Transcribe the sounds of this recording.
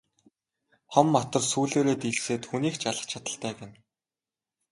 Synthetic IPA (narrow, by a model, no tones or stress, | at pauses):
χɔmːɔt̪ɞ̆rsuːɮoːɾeːt̪iɮseːt̪xuniːkt͡ɕaɮə̆χt͡ɕʰat̪ə̆ɬt̪æːkĕn